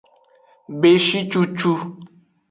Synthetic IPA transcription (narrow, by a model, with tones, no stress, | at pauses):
be˨ʃi˦t͡ʃu˦t͡ʃu˦